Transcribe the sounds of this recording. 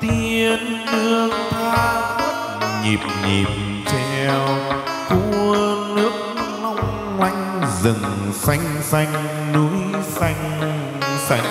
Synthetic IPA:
t̪i˧ən | nɨ˧ək̚t̪ʰaː˧˥f̚ | ɲi˨˩p̚ɲḭ˨˩p̚ | t͡ɕɛ˧˩˧w | ku˧˩nɨ˦˥ək̚ma˧wŋ͡m | ŋwa˧jŋ̟zɨ˨˩ŋ | sa˧jŋ̟sa˧jŋ̟ | nu˨˦jsa˧jŋ̟ | sa˧jŋ

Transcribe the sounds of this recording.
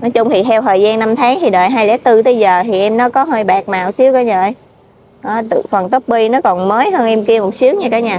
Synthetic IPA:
nɔ˨˦jt͡ɕʊ˧ŋ͡mt̪ʰi˨˩t̪ʰɛ˧wt̪ʰəː˨˩jzaː˧nːa˧mt̪ʰaː˨˦ŋt̪ʰi˨˩ɗəː˨˩jɦaː˧jlɛ˨˦˥t̪ɨ˧t̪əː˨˦jzəː˨˩t̪ʰi˨˩ʔɛ˧mnɔ˨˦kɔ˨˦ɦəː˧jɓaː˨˩k̚maː˨˩wsi˨˦əwkɔː˨˦ɲəː˧˨˧j | ʔəː˨˦t̪ɨ̰˧˩fə˨˩nt̪ə˦˥p̚ɓi˧nɔ˨˦kɔ˨˩nməː˨˦jɦəː˧nʔɛ˧mki˧əmo˨˩t̚sɨ˨˦əŋɲa˧kaː˨˦jɲaː˨˩

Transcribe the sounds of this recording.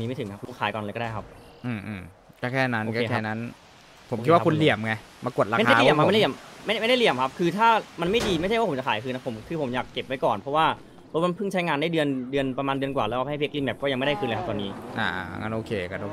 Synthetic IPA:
niː˦a˥˩t̪ʰɯ˩˦ŋkʰa˦˥lu˦˥˩kʰaː˨˦jkɔː˨˩lːkɔː˥˩daː˥˩kʰa˦˥p̚ | ʔɯː˧˩mʔːm | kaː˥˩kʰɛː˥˩na˦˥nkaː˥˧kʰɛː˥˩na˦˥n | pʰo˨˩˦ki˦˥wa˥˧ku˧nli˨˩əmŋa˧ | ma˧ku˨˩ət̪̚ɾaː˧˦˥adaː˥˧˩lmkʰa˦m˧˦˥mːa˥˩jjm˥˩da˥˩li˨˩əmkʰa˦˥p̚kʰɯː˧t̪ʰaː˥˩ma˧nma˥˩jdiː˧ma˥˩jt͡ɕa˥˩jwaː˥˩˦t͡ɕa˨˩kʰaː˨˦jkʰɯː˧nːa˦˥pʰmkʰɯː˧pʰo˩˦mjaː˨˩kːe˨˩p̚wa˦jkɔː˨˩npʰɾɔ˦˥waː˥˩ | pɔ˦˥ma˧npʰɯ˥˩ŋt͡ɕʰa˦˥jŋaː˧ndaː˥˩jdɯ˧əndɯ˧ənpɾa˧maː˧ndɯ˧ənkwaː˨˩lɛː˦˥ʔaː˧˩a˧˥˩peː˦˥k̚li˧˩mɛː˦˩kɔː˥˩a˧ŋa˥˩da˥˩kɯː˧nlə˧kʰt̪ɔː˧niː˦˥ʔa̰ː˧˩ʔa̰˧˩ŋa̰˧˥nʔoː˧kʰeː˧ka˧no˧

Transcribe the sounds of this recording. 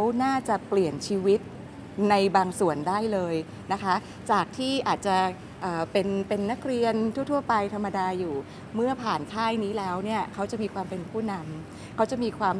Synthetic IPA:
wnaː˥˩t͡ɕa˨˩pli˨˩ənt͡ɕʰiː˧wi˦˥t̪̚ | na˧jbaː˧ŋsu˨˩əndaː˥˩jlɤː˧j | na˦˥kʰa˦˥ | t͡ɕaː˨˩k̚t̪ʰiː˥˩ʔaː˨˩t̪̚t͡ɕa˨˩ | ʔɤː˨˩pe˧npe˧nːa˦˥k̚ɾi˧ənt̪ʰuː˥˩t̪ʰu˥˩ɐpa˧jt̪ʰa˧mːa˧daː˧juː˨˩ | mɯ˥˩ɐpʰaː˨˩nk̪ʰaː˥˩jniː˦˥lɛː˦˥wni˥˩ɐkʰa˦˥wt͡ɕa˨˩miː˧kʰwaː˧mpe˧npʰuː˥˩na˧m | kʰa˦˥wt͡ɕa˨˩miː˧kʰwaː˧m

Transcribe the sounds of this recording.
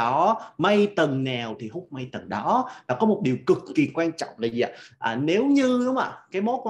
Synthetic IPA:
ɔ˨˦ma˧jt̪ə˨˩ŋna˨˩wt̪ʰi˨˩hʊ˦˥k͡p̚ma˧jt̪ə˨˩ŋɗɔ˨˦ɗa˨˦kɔ˨˦mo˨˩t̚ɗi˨˩əwkɨ˨˩kːi˨˩kwaː˧nt͡ɕɔ̰˧˨wŋ͡mlaː˨˩zi˨a̰ː˧˨˩ʔəː˨˩ne˨˦wɲɨ˧ɗʊ˨˦ŋ͡ma̰ː˨˩kaː˨˦jmo˨˦˥k

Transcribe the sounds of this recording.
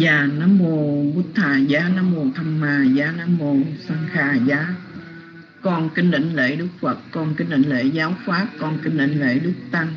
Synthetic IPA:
jaː˨˩naː˨˧˦mːo˧˩əwu˦˥t̚t̪ʰaː˨˩zaː˨˦naː˨˦mmu˨˧˩ət̪ʰa˧˩mmaː˨˩zaː˨˦naː˨˦mːo˧˩saː˧ŋxaː˨˩zaː˨˦ | kɔ˧nkï˧ŋ̟ɗḭ̈˧˨ŋ̟lḛ˧˨˦ɗɨ˦˥k̚fə˨˩kkɔ˧nki˧ŋ̟ɗḭ˧˨˦ŋ̟lḛ˧˩˦zaː˨˦wfaː˦˥p̚kɔ˧nki˧ŋ̟ɗḭ˧˨˦ŋ̟lḛ˧˨˩ɗɨ˦˥k̚t̪a˧ŋ

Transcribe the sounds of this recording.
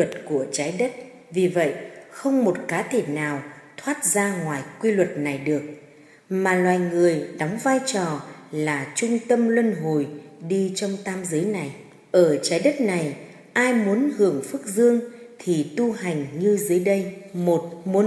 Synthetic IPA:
ə˨˩t̚ku˧˩ət͡ɕaː˨˦jɗə˦˥t̚ | vi˨˩və̰˧˨jʔxə˧wŋ͡mmo˨˩t̚kaː˨˦t̪ʰe˧˩naː˨˩wt̪ʰwaː˦˥t̚zaː˧ŋwaː˨˩jkwi˧lwə˨˩t̚na˨˩jɗɨ˨˩ək̚ | maː˨˩lwaː˨˩jŋɨ˨˩əjɗɔ˨˦wŋ͡mvaː˧jt͡ɕɔ˨˩laː˨˩t͡ɕʊ˧ŋ͡mt̪ə˧mlwə˧nɦo˨˩jɗi˧t͡ɕɔ˧wŋ͡mt̪aː˧mzɨː˨˦jna˨˩j | ʔəː˧˩t͡ɕaː˨˦jɗə˦˥t̚na˨˩j | ʔaː˧jmu˨˦ənhɨ˧˩əŋfɨ˦˥k̚zɨ˧əŋt̪ʰi˨˩t̪u˧ha˨˩jŋ̟ɲɨ˧zɨ˨˦jɗə˧jmo˨˩t̚mu˨˦

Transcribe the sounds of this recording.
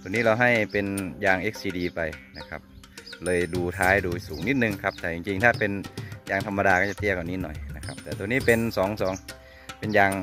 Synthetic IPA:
t̪u˧˨niː˦˥˩la˧wɦa˥˩jpe˧njaː˧ŋʔeː˦˧˥k̚siː˧diː˧pa˧jna˦˧˩kʰa̰˦˧p̚lɤː˧jduː˧t̪ʰaː˧˥jduː˧suː˩˦ŋni˦˥t̪̚nɯ˧ŋkʰa˦˥p̚t̪ʰɛː˧˩t͡ɕi˧ŋt͡ɕi˧ŋt̪ʰaː˧˩pe˧njaː˧˩ŋt̪ʰa˧mːa˧daː˧ka˧˥˩t͡ɕa˧˥t̪i˧˩əka˨˩ni˧˥nɔ̰˨˩jna˦˧kʰa̰˦˥p̚t̪ɛː˨˩t̪u˧əniː˥˨pe˧nsɔː˩˦ŋsɔː˩˦ŋ | pe˧njaː˧ŋ

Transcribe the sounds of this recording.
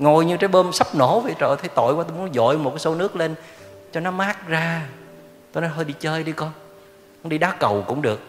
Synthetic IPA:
ŋo˨˩jɲɨ˧taː˨˦jɓəː˧msa˦˥p̚no˧˩vḛ˨˩t͡ɕə̰ː˧˨jt̪ʰe˨˦jt̪o̰˧˨jkwaː˨˦t̪o˧jm˨˦nzɔ̰˧˨jmo˨˩t̚kaː˨˦so˨˦nɨ˦˥ək̚le˧nt͡ɕɔ˧nɔ˨˦maː˦˥k̚zaː˧ | t̪o˧jnɔ˨˦jɦəː˧jɗi˧t͡ɕəː˧jɗi˧kɔ˧n | m˧˦ɗi˧ɗaː˨˦kə˨˩wkʊ̰˧˥ŋ͡mɗɨ˨˩ək̚

